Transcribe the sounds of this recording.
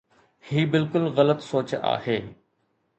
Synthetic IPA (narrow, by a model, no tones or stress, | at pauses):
hiːbɪlkʊlɣɐlət̪soːt͡ɕa̰ːheː